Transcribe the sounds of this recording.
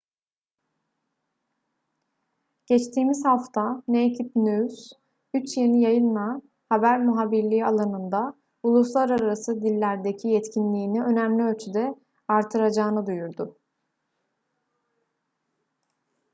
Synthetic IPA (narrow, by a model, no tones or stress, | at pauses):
ɟ̥ɛt͡ʃt̪ʰiːmizhaft̪ʰanejcʰit̪̚nys | yt͡ʃjenijajɯnma | habæɾmuɦabiɾlʲialˠanɯnd̪a | ulˠuslˠaɾaɾasɯd̪ilʲːæɾd̪ecʰijɛt̪cʰinlʲiːniø̞næmlʲiølʲt͡ʃʰyd̪ɛ | aɾt̪ʰɯɾad͡ʒaːnɯd̪ujuɾd̪ʊ